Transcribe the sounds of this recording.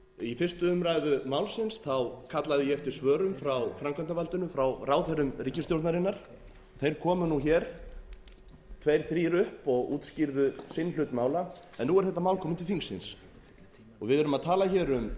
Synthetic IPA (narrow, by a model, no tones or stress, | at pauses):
ifɪr̥st̪ʏʏmɾaːjðʏmaːwlsɪnsθawkʰat̪laðɪjɛɛft̪ɪɾ̥svœːɾʏmfɾawfɾamkʰœnt̪avalt̪ʏnʏfɾawraːwθɛɾʏmriːcɪsjowɾt̪naɾɪnːaɾ̥ | ɔθejɾ̥kʰɔːmʏnuçɛːɾ̥ | t̪ʰvejɾ̥θɾiːɾʏhpɔɣṵːt̪sciɾðʏsɪnːlʏt̪maːwla | ɛnːuːɛɾ̥θɛht̪ːamawlkʰɔːmʏnt̪ɪlfiŋksɪ̰ns | ɔɣvɪðɛɾʏmaðt̪ʰaːlaçɛɾʏm